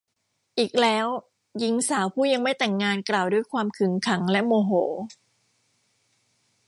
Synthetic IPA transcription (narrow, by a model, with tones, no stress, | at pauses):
ʔiː˨˩k̚lɛː˦˥w | ji˦˥ŋsaː˩˦wpʰuː˥˩ja˧ŋma˥˩jt̪ɛ˨˩ŋːaː˧nklaː˨˩wdu˥˩əjkʰwaː˧mkʰɯ˩˦ŋkʰa˩˦ŋlɛ˦˥ʔmoː˧ɦoː˩˦